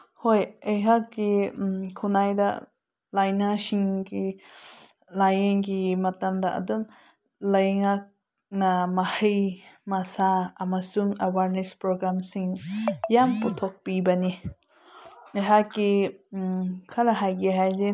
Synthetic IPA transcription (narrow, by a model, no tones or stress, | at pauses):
hojejɦakːikʰunajdɐ̰ | lajnasiŋɡi | lajeŋɡimɐtɐmdɐʔɐ̰dum | lɐjŋak̚ | nɐmɐhɯjmasaːmasumawaɾnespɾoɡɾamsiŋjamputʰɔk̚pibɐni | ejɦakːi | kʰaɾaɦajɡiɦajze